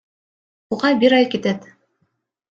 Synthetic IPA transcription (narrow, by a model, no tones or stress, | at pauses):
uʁɑbiɾɑjkit̪ɘt̪